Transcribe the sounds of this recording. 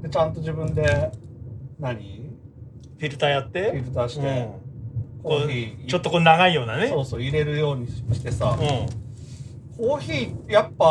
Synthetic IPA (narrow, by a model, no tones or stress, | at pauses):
d̪e̞t͡ɕãnt̪o̞ʑibɯ̟̃nd̪e̞ | naɲ̟i | ɸʲiɾɯ̟t̪aːjat̪ːe̞iɾɯ̟t̪aːɕi̥t̪e | kokoçiːt͡ɕo̞t̪ːokoːnaɡaijo̞ːnaneso̞ːso̞ːiɾe̞ɾɯ̟jo̞ːɲ̟iɕi̥t̪e̞saɯ̃ | kʰo̞ːçiːjapːa